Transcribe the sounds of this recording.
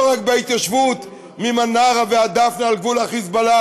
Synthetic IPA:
ʁakbeit̪jaʃvut̪ | mimanaʁavead̪afnaalɡvulaχisbala

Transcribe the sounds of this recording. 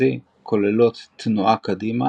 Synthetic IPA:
i | kʰolelot̪ːnuʔakad̪ima

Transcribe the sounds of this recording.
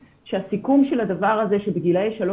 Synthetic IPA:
ʃeasikumʃe̞lad̪avaʁaze̞ʃebeɡilejʃalo

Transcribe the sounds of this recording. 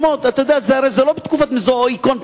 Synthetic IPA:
mot̪at̪ajod̪ejazeaɾejzɛlobet̪kufat̪mizooikon

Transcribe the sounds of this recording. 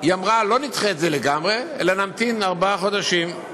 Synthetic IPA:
jamʁalo̞nit̪χet̪zeleɡamʁeelanamt̪inaʁbaχo̞d̪aʃim

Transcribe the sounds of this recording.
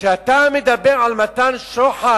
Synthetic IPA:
ʃeat̪amed̪abe̞ʁʕalmat̪anʃoħa

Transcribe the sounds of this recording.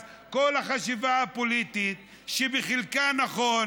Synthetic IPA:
ko̞lhaχaʃivaapo̞lit̪it̪ | ʃebeχilkanaχo

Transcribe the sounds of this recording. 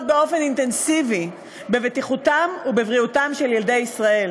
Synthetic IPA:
t̚beo̞fe̞nint̪e̞nsivi | bevetiχutamubevʁiutamʃe̞ljeld̪e̞jisʁae̞l

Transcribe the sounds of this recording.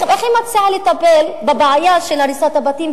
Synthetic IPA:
eχimat͡sialet̪apelbebeʕajaʃelaɾisot̪habat̪im

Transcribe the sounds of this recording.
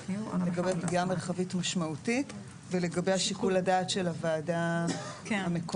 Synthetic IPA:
leɡabepɡiame̞ʁχavitmaʃmautit | veleɡabe̞jhaʃikuladaːtʃe̞lavaːda | amek

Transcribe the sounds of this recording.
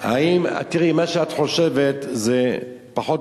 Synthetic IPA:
ha̰ima̰t̪iʁimaʃeat̪χo̞ʃevet̪zepaχo̞t

